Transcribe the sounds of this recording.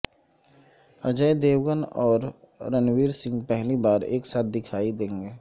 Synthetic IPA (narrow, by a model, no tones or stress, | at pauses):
əd͡ʒəd̪eːwɡənɔːɾː | ənwiːɾsɪ̃ŋɡpɛɦlibaːɾḛːksaːt̪̚ʰd̪ɪkʰaːid̪ẽːŋɡeː